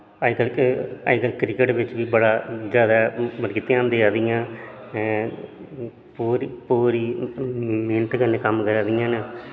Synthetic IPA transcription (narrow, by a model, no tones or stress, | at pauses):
akəlkəjkəlkɾɪkəʈʋɪt͡ʃʋiːbəɽaːd͡ʒjaːd̪aːməɾɡɪt̪ːẽãːnd̪eːaːd̪ijãː | puːɾipuːɾiː | mɪːnət̪ɡənkəmkəɾaːd̪ijãːn